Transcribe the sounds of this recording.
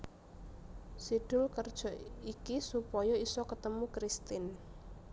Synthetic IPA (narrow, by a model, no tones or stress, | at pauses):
sid̪̥ʊlkərd̥ʒ̥ɔ̤ikisupɔjɔisɔkət̪əmukɾist̪ɪn